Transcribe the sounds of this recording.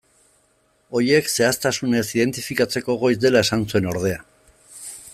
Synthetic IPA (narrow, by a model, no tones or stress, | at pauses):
o̞je̞kse̞ast̪asune̞siðe̞nt̪ifikat͡se̞ko̞ɣ̞o̞jzd̪e̞lae̞sansue̞no̞ɾðe̞a